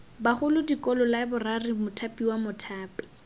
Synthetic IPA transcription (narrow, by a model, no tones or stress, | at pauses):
baχʊlʊdikɔlɔlabʊrarimʊtʰapʼiwamʊtʰaːpɪ̥